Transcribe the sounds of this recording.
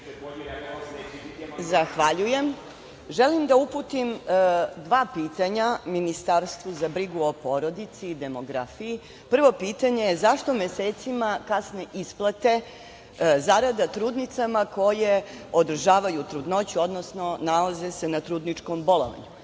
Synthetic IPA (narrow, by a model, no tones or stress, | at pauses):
zaxʋaʎuje̞m | ʒelimd̪auput̪imd̪ʋaːpiːt̪aɲaminist̪aɾst̪ʋuzabɾiɡuo̞po̞ɾo̞d̪it̪siːd̪e̞mo̞ɡɾafiji | pr̩ʋo̞piːt̪aɲe̞jezaʃt̪omjeseːt̪simakasneʔisplˠat̪e̞ | zaɾad̪at̪ɾuːd̪nit̪samako̞je̞ | od̪r̩ʒaːʋajut̪ɾud̪no̞t͡ɕuo̞d̪nosno̞nalaze̞se̞nat̪ɾuːd̪nit͡ʂkombo̞lo̰ʋa̰ɲu